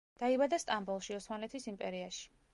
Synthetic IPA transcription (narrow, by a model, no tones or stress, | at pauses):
d̪̥aibad̪ast̪ʼambɔlˠʃiɔsmanlɛt̪ʰisimpʼɛɾiaʃi̥